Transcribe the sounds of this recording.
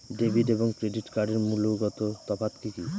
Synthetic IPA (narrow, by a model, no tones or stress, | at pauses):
ɖebʱiɖeboŋkɾeɖiʈkaɾɖeɾmuloɡɔt̪ot̪ɔpʰat̪kiki